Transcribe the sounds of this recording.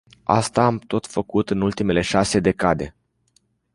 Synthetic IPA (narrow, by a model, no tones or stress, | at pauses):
a̰st̪aːmt̪o̞t̪fəkut̪ɨnult̪ime̞le̞ʃase̞d̪e̞kad̪e̞